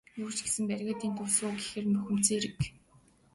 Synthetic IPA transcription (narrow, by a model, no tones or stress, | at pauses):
juːr̥t͡ɕɡesɘ̆mpærʲɣaːt̪iːnt̪ʰɵsoːɡexɘ̆rmɵxʲɘ̆m̥t͡seːɾɘ̆k